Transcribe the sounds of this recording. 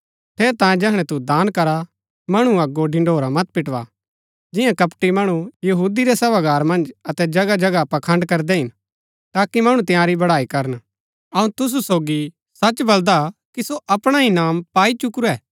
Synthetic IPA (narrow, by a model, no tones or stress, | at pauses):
t̪ʰeːɾt̪ãːjẽd͡ʒɛɦɽ̃ɛ̃t̪ud̪aːnkɐɾa | mɐɽ̃uɐɡoɖɪ̃ɳɖʱoːɾamɐt̪̚pɪʈʋa̰ | d͡ʒɪjãkɐpʈimɐɽ̃ujɐɦuːd̪iɾɛsɐʋaɡaːɾmɐ̃nd͡ʒɐt̪ɛd͡ʒɐɡad͡ʒɐɡapɐkʰɐ̃ɳɖkɐɾd̪ɛɦɪn | t̪aːkimɐɽ̃ũt̪ɪ̃jãːɾibɐɽaːikɐɾən | ɐũt̪ʊs̬usoːɡi | sɐt͡ʃbɐld̪akisoʔɐpɽ̃aɦĩnaːmpaːit͡ʃʊkɾuɛː